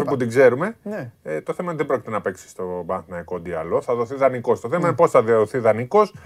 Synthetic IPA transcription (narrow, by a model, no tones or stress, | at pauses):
fiput̪iɡze̞ɾume̞t̪o̞θe̞mɐðebɾocit̪e̞nɐpe̞ksi̥st̪o̞bɐnθinɐiko̞d̪iɐ̰lo̞θɐðo̞θiðɐniko̞st̪oθe̞mɐinpo̞sθɐðiɐðoθiðɐniko̞s